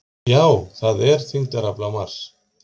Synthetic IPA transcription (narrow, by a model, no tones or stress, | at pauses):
jawθaðɛɾθiŋt̪aɾaplamaɾs